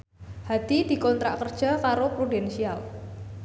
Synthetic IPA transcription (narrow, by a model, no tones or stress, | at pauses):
had̪̥id̪̥i̤kɔnt̪ɾaʔkərd̥ʒ̥a̤kaɾopɾudɛnsial